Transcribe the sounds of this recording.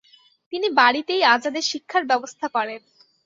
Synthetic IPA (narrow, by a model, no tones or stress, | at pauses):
t̪inibaɽit̪ejad͡ʑad̪eɾʃikʰːaɾbɛbost̪ʰakɔɾen